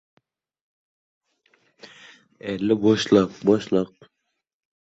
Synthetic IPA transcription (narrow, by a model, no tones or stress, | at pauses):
ɛlːɪbɔʃlˠəq̚bɔʃlˠəq̚